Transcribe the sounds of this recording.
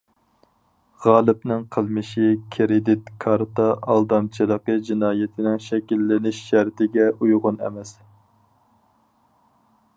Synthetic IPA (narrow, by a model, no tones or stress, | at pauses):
ʁɑːlˠɨpnɪŋqʰəlˠmɨʃikʲʰɾɪd̪ɪt̪kʰɑɾt̪ɑʔɑlˠd̪ɑmt͡ʃʰilˠəqəd͡ʒinɑːjɪt̪ʰɪnɪŋʃɛkʲilːɪnɪʃʃæɾt̪ʰɪɡʲɛujʁʊnɛ̰mɛs